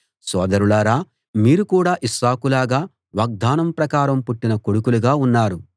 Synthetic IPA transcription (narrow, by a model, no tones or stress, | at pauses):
sɔːd̪ɐɾulaɾaː | miːɾukuːɽaːʔisaːkulaːɡaː | ʋɐɡ̚d̪aːnɐmpɾɐkaːɾɐmpuʈːinɐkoɽukuluɡaːunːaːɾu